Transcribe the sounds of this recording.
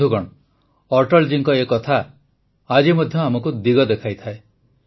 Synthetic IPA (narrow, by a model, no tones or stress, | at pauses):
ukɔɽ | ɔɾʈɔld͡ʒiŋkɔekɔt̪ʰa | ad͡ʒimɔd̪ʱjɔamɔkud̪iɡɔd̪ekʰajt̪ʰae